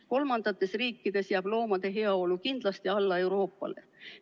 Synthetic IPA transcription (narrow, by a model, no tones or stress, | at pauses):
ko̞lmɑnd̪̥ɑt̪ːˑe̞sriːkːˑid̪̥e̞sjæːb̥lo̞ːmɑd̪̥e̞ɦe̞ɑo̞lukind̪̥lɑst̪iɑlːɑe̞wɾo̞ːpːˑɑ̰le̞̰